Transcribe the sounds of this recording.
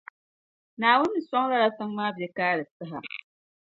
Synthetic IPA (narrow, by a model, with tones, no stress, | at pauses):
naː˨wʊ˦nːɨ˨sɔ˦ŋla˦ɾa˦sɨ˦ŋmaː˦bɛ˦kaː˦ɾɨ˨sɨ˦ɦa̰˨